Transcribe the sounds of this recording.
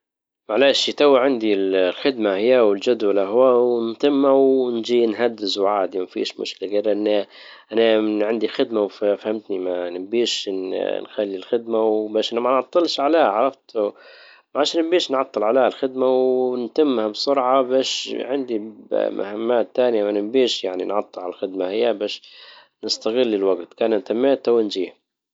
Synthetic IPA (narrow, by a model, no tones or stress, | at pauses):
maʕlaːʃit̪awːaʕɪnd̪illxɪd̪mahɪjawɪld͡ʒad̪walʔaɦwawnt̪ɪmːawnd͡ʒiːnɦad̪ːɪzwʕaːd̪imafḭːʃmʊ̰ʃkɪlaɡaɾʔɪnː | ʔanaʕɪnd̪ixɪd̪mawffahɪmt̪nimanɪbiːʃnxalːilxɪd̪mawbaːʃʔanamanʕɑt̪ˤːɨlʃʕaleːhaʕɑɾˤɑft̪ | maʕaʃaːnɪmbiːʃnʕɑt̪ˤːɨlʕaleːhalxɪd̪mawnt̪ɪmːhabsˤʊɾʕɑbaːʃʕɪnd̪ima̰hamːaːt̪ːaːnjamanɪmbiːʃjaʕnḭnʕɑt̪ˤːɨlʕalalxɪd̪mahɪjːabaːʃ | nɪst̪aɣɪlːɪlwaɡt̪kaːnant̪amːeːt̪awɪnd͡ʒiːh